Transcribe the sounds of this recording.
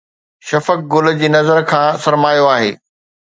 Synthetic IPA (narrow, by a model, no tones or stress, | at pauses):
ʃɐfək̚ɡʊl̆d͡ʑiːnɐzəɾkʰãːsɐɾmaːjoaːɦḛː